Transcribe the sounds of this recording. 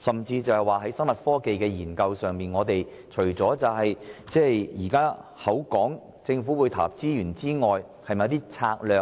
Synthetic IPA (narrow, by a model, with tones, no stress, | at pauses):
sɐ˨mt͡siː˧t͡sɐ˨whɐ˨˩jwaː˨˩ɦɐ˨˥jsɐ˥ŋmɐ˨t̚fɔː˥ke˨jkɛː˧jiː˨˩nkɐ˧wsœː˨ŋmiː˨nŋɔː˨˧t̪e˨j | t͡ʃʰɵ˨˩ɥt͡sɔː˨˥t͡sɐ˨wɦɐ˨jt͡sɛː˥jjiː˨˩kaː˥hɐ˨˥wkɔː˨˥ŋ | t͡sɪ˧ŋfu˨˥wu˨˧jt̪ʰa̰ː˨˩p̚t͡siː˥jyː˨˩nt͡siː˥ŋɔː˨j | hɐ˨jmɐ˨ɐ˦t̪iː˥t͡sʰaː˧k̚lœː˨